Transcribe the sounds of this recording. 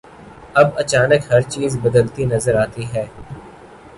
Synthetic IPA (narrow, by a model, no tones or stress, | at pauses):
ɐbɐt͡ʃaːnəkɦɐɾt͡ʃiːzbɐd̪əlt̪inɐzəɾaːt̪iɦɛː